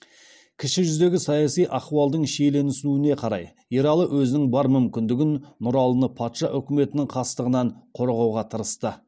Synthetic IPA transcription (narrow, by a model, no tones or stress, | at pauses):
kʲʰɪʃɪʒʏzd̪e̞ɡʲɪsɑjɑsijʔɑquɑlˠd̪əɴʃe̞jle̞nɪsnuɪne̞qʰɑɾɑ̰j | eɾɑlˠəwʔɵzɪnɪŋbɑɾmʏmkʲɪnd̪ɪɡʲɪnːʊɾɑlˠənəpʰɑt̪ʃɑʔʏkʲɪme̞t̪ɪnɪŋqʰɑst̪əʁənɑɴqʰo̞ɾʁɑwʁɑt̪ʰəɾəst̪ə